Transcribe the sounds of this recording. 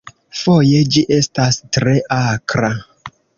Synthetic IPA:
fojed͡ʒiʔe̞stastɾeʔakɾa

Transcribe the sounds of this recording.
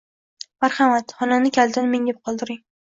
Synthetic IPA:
maɾhamat̪χɒnanɪkʲʰald̪ɪnmeŋʲɪp̚qʰɒlˠd̪ɪɾɪŋ

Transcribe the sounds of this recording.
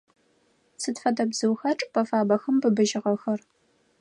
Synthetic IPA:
sɨtfɐdɐbzɨwxɐʈ͡ʂʼpʰɐfaːbɐxɐmbɨbɨʒɪʁɐxɐr

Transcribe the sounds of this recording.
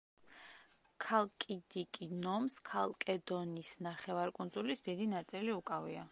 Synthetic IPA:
kʰalˠkʼid̪ikʼinɔmskʰalˠkʼɛd̪ɔnisnaχɛvaɾkʼund̪zulisd̪id̪inat̪sʼiliukʼavia

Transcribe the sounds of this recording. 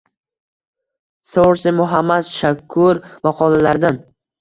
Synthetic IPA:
sowɾsɪmʊɦamːad̪ʃakʰːʊɾmɑqʰɒlˠalaɾd̪an

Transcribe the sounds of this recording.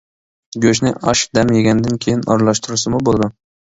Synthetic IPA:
ɡʲɵʃ̬nɪʔɑʃd̪ɛmjeɡʲand̪ɪnkʲʰejinɑ̰ɾlˠɑʃt̪ʊɾɪsɪmʊbolˠd̪ʊ

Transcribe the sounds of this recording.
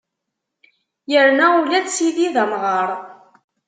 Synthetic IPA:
jəɾnæulæd̪siðiðəmʁɑɾˤ

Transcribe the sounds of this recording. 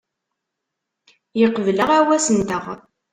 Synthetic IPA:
jəqːəvləʁæwæsənt̪əʁ

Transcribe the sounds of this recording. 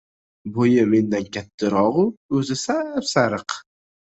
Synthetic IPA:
bojɪme̞nd̪ankʲʰat̪ʰːɪɾɒʁʊɵzɪsapsaɾɨq

